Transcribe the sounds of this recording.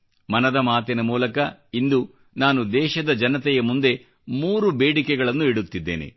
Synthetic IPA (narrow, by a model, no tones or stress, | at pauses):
mɐnɐd̪ɐmaːt̪inɐmuːlɐkɐind̪u | naːnud̪ɛːʃɐd̪ɐd͡ʒɐnɐt̪ɛjɐmund̪e̞ | muːɾubeːɽikɛɡɐɭɐnːuiɽut̪ːid̪ːḛːne̞̰